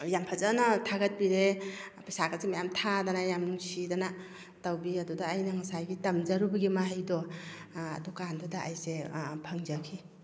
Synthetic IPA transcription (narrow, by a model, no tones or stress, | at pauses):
jampʰazanatʰaɡɐt̚biɾepasakazimajamtʰadanajamnuŋsidana | tawbiɐdudaːjnaŋasajɡitɐmzaɾubɐɡimaɦajdɔ | a̰dɔkandudaʔajsepʰaŋzakʰi